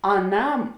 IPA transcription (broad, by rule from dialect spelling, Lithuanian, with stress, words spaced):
ɐˈnɐm